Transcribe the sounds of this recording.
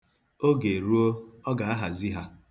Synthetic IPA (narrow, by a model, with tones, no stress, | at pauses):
o˦ɡe˨ɾu˦o˦ɔ˦ɡa˨a˦ɦa˨zi˦ɦa˦